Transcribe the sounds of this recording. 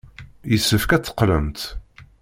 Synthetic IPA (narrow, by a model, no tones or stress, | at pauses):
jəsːəfkæt͡sːə̥qːləmt̪